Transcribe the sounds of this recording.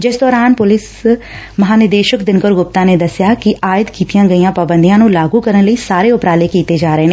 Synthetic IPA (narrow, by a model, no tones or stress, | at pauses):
d͡ʒɪsd̪ɔːɾaːnpʊlɪs | məɦaːnɪd̪eːʃəkd̪ɪnkəɾɡʊp̚t̪ãːneːd̪əsɪjaːkɪʔaːɪəd̪kiːt̪ijãːɡəiːãːpaːbənd̪ijãːnũːlaːɡuːkəɾənləiːsaːɾeːʊpɾaːleːkiːt̪eːd͡ʒaːɾəeːneː